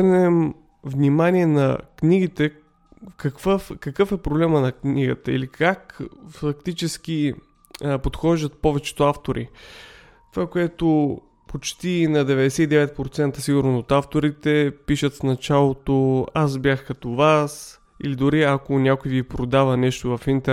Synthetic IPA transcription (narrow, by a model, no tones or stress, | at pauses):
ɾnɛm | vnʲimaniɛnɐkniɡit̪ɛ | kɐkvəfkɐkɤfɛpɾoblɛmənɐkniɡət̪əḭlikakfɐk̚t̪it͡ʃɛsk̟i | pot̪xɔʒd̪ət̪̚pɔvɛt͡ʃɛ̥t̪ʊaft̪oɾḭ | t̪ovakoɛt̪o | pot͡ʃt̪inɐd̪ɛvɛd̪ɛsɛid̪ɛvɛt̪̚pɾot̪sɛnt̪əsiɡʊɾnosot̪aft̪oɾit̪ɛpiʃət̪snɐt͡ʃalˠot̪oasbjaxkɐt̪ovas | ilid̪ʊɾiɐkonʲakʊjvipɾod̪avənɛʃt̪ovɐfint̪ɛ